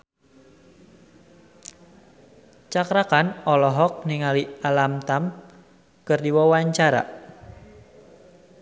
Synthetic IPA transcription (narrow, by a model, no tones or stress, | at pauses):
t͡ʃakɾakanɔlɔɦɔk̚niŋalialamt̪am | kɨrdiwɔwaɲt͡ʃaɾa̰